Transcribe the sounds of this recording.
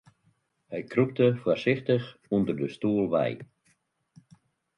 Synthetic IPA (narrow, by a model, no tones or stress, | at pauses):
hɛjkrup̚təfwərsɪxtəxundərdəstuəlˠʋɛ̰j